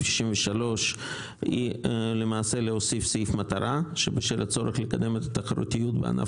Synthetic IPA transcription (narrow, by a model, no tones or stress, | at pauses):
ʃi̥ʃimveʃalo̞ʃ | ḭlemaːse̞leosifsifmat̪aɾaʃebeʃelat͡so̞ɾeχlekad̪e̞met̪at̪aχaɾṵt̪ijut̪bea̰na̰